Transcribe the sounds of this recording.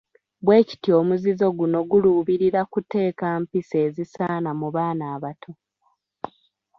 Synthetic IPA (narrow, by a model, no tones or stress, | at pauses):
βwe̞ːci̥tio̞ːmuzizo̞ɡuno̞ɡuluːβiɾiɾakute̞ːkaːmpise̞ːzisaːnamuβaːnaːβatʰo̞